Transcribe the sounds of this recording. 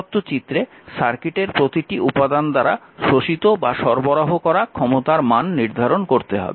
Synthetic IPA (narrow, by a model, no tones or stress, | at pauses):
t̪ːot͡ɕit̪ːɾe | ʃaɾkiʈeɾpɾot̪iʈiʔupad̪and̪aɾa̰ʃoʃit̪obaʃɔɾboɾaɦokɔɾakʰɔmot̪aɾmanːiɾd̪ʱaɾonkoɾt̪eɦɔ̰be